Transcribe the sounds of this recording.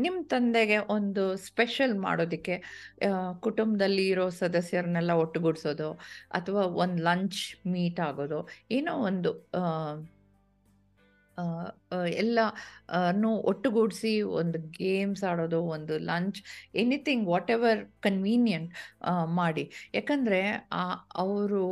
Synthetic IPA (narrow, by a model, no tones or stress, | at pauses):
nimːɐt̪ɐnd̪eɡe̞ʔond̪uspeʃɐlma̰ːɽo̞ːd̪ikːe̞ | kuʈumbɐd̪ɐlːiːɾoːsɐd̪ɐsjɐɾnɛlːɐoʈːuɡuɽso̞ːd̪uɐ̰t̪ʰɐʋaːond̪lɐɲt͡ʃmiːʈaːɡo̞ːd̪ueːnoːond̪u | ɛlːɐnuʔoʈːuɡuɽsio̰nd̪uɡeːmsaːɽo̞ːd̪uond̪ulɐɲt͡ʃenit̪ʰiŋɡʋɔːʈeʋɐɾkɐnʋiːnjɐɳʈmaːɽijaːkɐnd̪ɐɾe̞aːɐʋɾu